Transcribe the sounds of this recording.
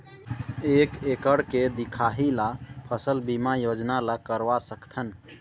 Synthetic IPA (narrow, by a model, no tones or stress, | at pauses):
ekekəɽked̪ikʰaɦilapʰəsəlbimajod͡ʒnalakəɾʋasəkt̪ʰən